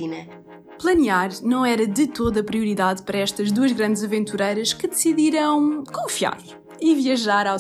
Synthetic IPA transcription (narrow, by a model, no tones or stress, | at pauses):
inɐ | plˠɐniaɾnɐ̃w̃ɛɾɐðɨt̪oðɐpɾiuɾiðaðpɐɾɐɛʃt̪ɐʒd̪uɐʒɣɾɐ̃nd̪zɐvẽnt̪uɾɐjɾɐʃkɨd̪ɨsiðiɾɐ̃w̃kõfia̰ɾ | iviɐʒaɾaw